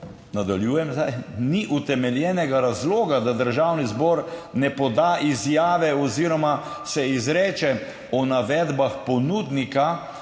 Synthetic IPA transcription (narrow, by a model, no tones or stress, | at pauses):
nad̪aljuːjɛmzd̪ajniʔut̪ɛmɛljɛːnɛɡaɾazlɔːɡad̪ad̪əɾʒaːwnizbɔːɾnɛpɔd̪aʔizjaːʋɛɔziːɾɔma | sɛizɾɛːt͡ʃɛ | ɔnaʋɛːd̪baxpɔnuːd̪nika